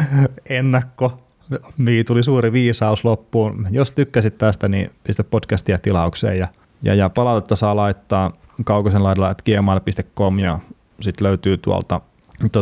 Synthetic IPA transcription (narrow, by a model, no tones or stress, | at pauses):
enːækːo | miːt̪ulisuːɾiʋiːsɑuslopːuːnjost̪ykːæsit̪t̪æst̪ænḭpist̪eppotkæst̪ijɑt̪ilɑuksḛːjjɑ | jɑ̰jɑpɑlɑt̪et̪ːɑsɑːlɑit̪ːɑːkɑukosenlɑˑiɾelɑet̪kiemɑːlɑpist̪ekkomjɑ | sit̪løyt̪yːt̪uɑ̰lt̪ɑ | t̪o